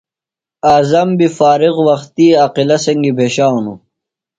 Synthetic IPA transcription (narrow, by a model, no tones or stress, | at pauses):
aːzɐmbifaːɾiɣwɐxt̪iaqilɐsɐŋɡibʱeːɕaːunṵ